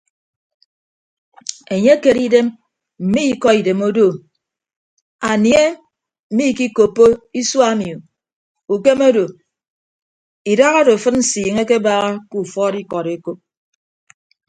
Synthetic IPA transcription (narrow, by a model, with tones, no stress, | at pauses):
e˨ɲe˦ke˨ɾi˦de˦m | m̩˨mi˦i˦kɔ˦i˨de˨mo˦do˦˨ | a˨nje˦ | m̩˨mi˦˨ki˦ko˨pːo˦i˦swa˦mi˨o˨ | u˨ke˦mo˦do˨ | i˨da˦ɣa˦do˨fɨ˦nn̩˦siː˨ŋe˦ke˦ba˦ɣa˦ku˨fɔ˦ɾi˦kɔ˨ɾe˦ko˦p̚